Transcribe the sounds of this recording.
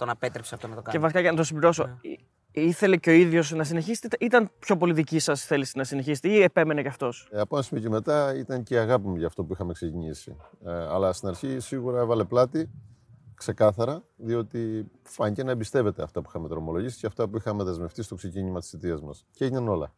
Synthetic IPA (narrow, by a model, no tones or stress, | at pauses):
t̪onɐpet̪ɾepseɐft̪onɐt̪okɐevɐsikɐʝɐnɐt̪osibliɾo̞so | iθe̞le̞ceo̞iðʝo̞snɐsine̞çist̪et̪eʔit̪ɐnpço̞po̞liðicisɐsθe̞lisinɐsineçist̪eiepe̞me̞neceɐft̪o̞sɐponɐsimoceme̞t̪ɐit̪ɐɲceɐɣɐpimeʝɐːft̪o̞puixɐmekse̞ciɲisḭɐ̰lɐst̪inɐɾçisiɣuɾɐe̞vɐle̞plɐt̪i | kse̞kɐθɐɾɐðio̞t̪ifɐɲit̪enɐebist̪e̞ve̞t̪e̞ɐ̰ft̪ɐpui̥xɐme̞t̪ðɾo̞mo̞lo̞ʝisi̥ceɐft̪ɐpuixɐme̞ðe̞zme̞ft̪ist̪o̞kse̞ciɲimɐt̪i̥sit̪iɐzmɐ̰sceeʝinɐno̞lɐ̰